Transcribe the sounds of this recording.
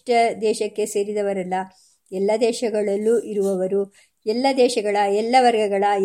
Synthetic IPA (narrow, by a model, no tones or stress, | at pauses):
ʈɐd̪ɛːʃɐkːe̞se̞ːɾid̪ɐʋɐɾɐlːɐ | ɛlːɐd̪ɛːʃɐɡɐɭɐlːuʔiɾuʋɐʋɐɾu | ɛlːɐd̪ɛːʃɐɡɐɭɐɛlːɐʋɐɾɡɐɡɐɭɐ